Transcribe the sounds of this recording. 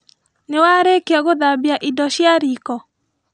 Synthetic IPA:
newaɾekeaɣoðabiaʔidɔɕjaɾikɔ

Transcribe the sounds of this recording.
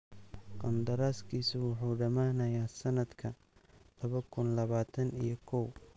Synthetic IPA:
qɑnd̪ɐɾaːskʰiːsʊwʊħuːɖɐmaːnɐjaːsɐnɐd̪kʰɐ | lɐβɐkʰʊnlɐβaːt̪ʰɐnḭjɞkʰɔw

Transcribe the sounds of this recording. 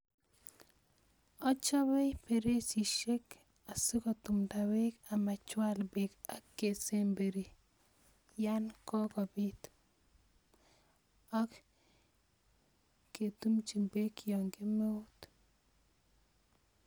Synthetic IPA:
ɔt͡ʃaβɛjpeɾesiʃek | asikɔtumtawekamat͡ʃwalbekakːesembeɾi | jankɔkɔbit | ak | et̪umt͡ʃiŋbekjɔŋɡemeut

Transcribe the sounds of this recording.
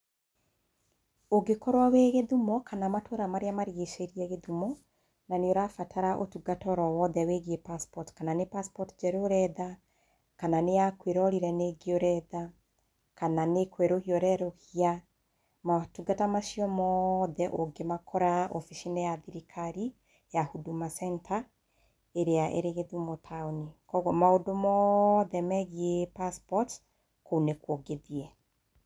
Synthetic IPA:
oɡekɔɾwaweɣeðumɔkʰanamatʰoɾamaɾeamaɾiɣeʃeɾiɛɣeðumɔ | naneoɾafatʰaɾaʔo̰tuɡatɔɾɔwɔðɛweɣiepaspɔtkananepaspɔtd͡ʒɛɾoɾɛða | kananeakweɾɔɾiɾɛneɡeoɾɛða | kananekweɾohiɔɾɛɾohia | matuɡatamaʃiɔmɔðɛʔoɡemakʰɔɾaofiʃinɛjaðiɾikʰaɾi | jahudumasɛntʰa | eɾeaʔḛɾeɣeðumotʰaonikɔɣɔmaodomɔðɛmɛɣiepaspɔt | kounekwoɡeðiɛ

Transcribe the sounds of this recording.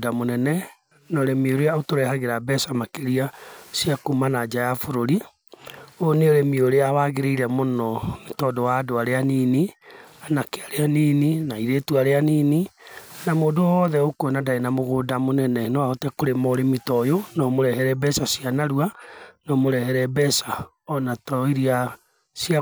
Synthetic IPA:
damonɛnɛ | nɔɾemioɾeaotoɾɛhaɣeɾabɛsamakeɾiasiakumanad͡ʒajafoɾoɾi | oneoɾemioɾeawaɣeɾeiɾɛmonɔmetɔdɔwaːdoaɾeaninianakeaɾeaniːninaiɾetuaɾeanininamoːdowɔðɛokonadaenamoɣodamonɛnɛnɔwaɔtɛkoɾemɔɾemitɔjonɔmoɾɛhɛɾɛbɛsasianaɾuanɔmoɾɛhɛɾɛbɛsa | ɔnatɔiɾia | sia

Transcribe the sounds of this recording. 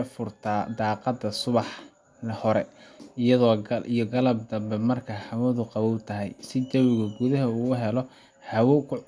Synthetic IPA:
fʊrt̪ʰaːd̪ɑːqɑd̪ɐsʊβɑħ | hɔɾɛɪjɐðɔːʔijɞɡɐlɐb̚d̪ɐmbɛmɐrkʰahɐwɐðʊqɑβɔwt̪ʰɐɦɛjsɪd̪ɐwɪɣʊɡʊðɐɦɐuːʊɦɛlɔ | ħɐwɔkʰʊ

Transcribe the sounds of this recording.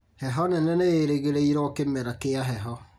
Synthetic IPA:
hɛɦɔnɛnɛneɾeɣeɾeiɾɔːkemɛɾakeaɦɛɦɔ

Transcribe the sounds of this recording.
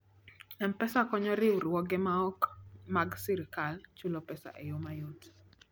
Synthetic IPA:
ɛnpɛsakɔɲɔɾɪuɾwɔɡɛmaɔkmaɡsiɾkalt͡ʃulopɛsa̰ʔejomajot

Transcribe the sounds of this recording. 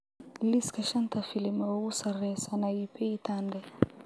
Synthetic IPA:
liskaʃant̪afilimausarɛsanaipʰɛit̪andɛ

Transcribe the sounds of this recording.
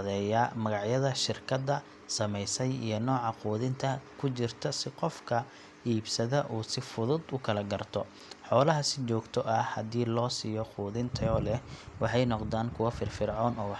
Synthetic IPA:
ðɛːjɐmɐɣɑʕjɐðɐʃɪrkʰɐd̪ɐ | sɐmɛjsɛjḭjɞnɔːʕɑquːðɪnt̪ʰɐkʰʊt͡ʃɪrt̪ʰɐsɪqɔfkʰɐ | iːbsɐðɐʔuːsɪfʊðʊd̪ʊkʰɐlɐɡɐrt̪ʰɔ | ħɔːlɐɦɐsɪt͡ʃɔːɡt̪ʰɔʔɐhɐðiːlɔːsiːjɔquːðɪnt̪ʰɐɔːlɛwɑħɑjnɔqd̪aːnkʰʊwɐfɪrfɪrʕɔːnɔːwɑ

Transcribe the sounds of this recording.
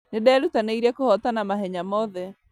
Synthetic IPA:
nedɛːɾutaneiɾɛkohɔtanamaɦɛɲamɔðɛ

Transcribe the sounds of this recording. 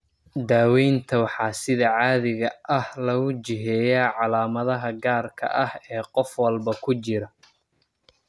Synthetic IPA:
d̪aːwɛjnt̪ʰɐwɑħɑːsɪðɐʕɑːðɪɣɐʔɐhlɐɣʊt͡ʃɪɦɛːjaːʕɑlaːmɐðɐɦɐɡaːrkʰɐ̰ʔɐhɛːqɔfwɐlbɐkʰʊt͡ʃɪɾɐ

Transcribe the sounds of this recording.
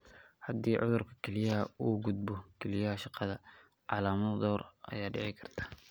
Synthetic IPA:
hɐd̪iːʕʊðʊrkʰɐ̥kʰɛlɪjɐɦɐuːɡʊd̪̚bɔkʰɛlɪjɐɦɐʃɑqɑðɐ | ʕɑ̰laːmɐðd̪ɔːrʔɐ̰jaːɖɛʕɛjkʰɐrt̪ʰḁː

